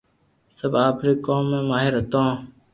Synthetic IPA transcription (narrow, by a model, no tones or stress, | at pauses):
sɐbaːpʰɾiːkoːmːẽːmaːɦɪɾɐt̪õː